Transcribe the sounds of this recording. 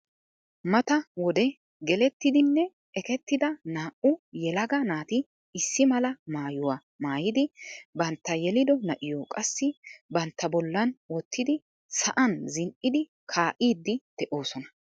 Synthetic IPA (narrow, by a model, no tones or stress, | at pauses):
mɐt̪ɐwɔd̪ɛ | ɡɛlɛt̪ːɪd̪ɪnːɛ | ʔɛkɛt̪ːɪd̪ɐnaːʔʊjɛlɐɡɐnaːt̪ɪ | ɪsːɪmɐlɐmaːjʊwa | maːjɪd̪ɪbɐnt̪ːɐjɛlɪd̪ɔnɐʔɪjokʼɐsːɪbɐnt̪ːɐbɔlːɐnwɔt̪ʰːɪd̪ɪ | sɐʔɐnzɪnʔɪd̪ɪ | kʰaːʔiːd̪ːɪd̪̥ɛʔo̞ːsɔnɐ̥